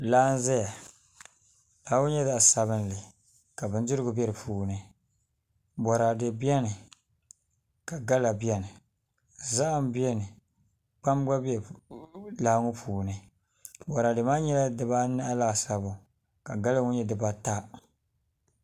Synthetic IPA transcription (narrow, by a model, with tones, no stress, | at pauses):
laː˦n̩˦zɛ˦ja˨ | la˨˦ŋʊ˦ɲɛ˦da˦˨a˨sa˨βɨ˦n˦lɨ˨ | ka˨bɨ˨n˦dɪ˦ɾɨ˦ɡʊ˨bɛ˦ɾɨ˨pʰuː˨nɨ˦ | bɔ˨ɾa˨dɨ˨bi˦ɛ˦nɨ˨ | ka˨ɡa˦la˨bi˦ɛ˦nɨ˨ | za˦ʔa˦˨m˦bi˦ɛ˦nɨ˨ | k͡pa˦mɡ͡ba˦bɛ˨ | laː˦ŋʊ˦pʰuː˨nɨ˨ | bɔ˨ɾa˨dɨ˨maː˦ɲɛ˦la˦dɨ˨ba˦nɨ˦ʔa˦la˦˨sa˨bʊ˨ | ka˨ɡa˦lɨ˦ŋʊ˦ɲɛ˦dɨ˨ba˦ta˦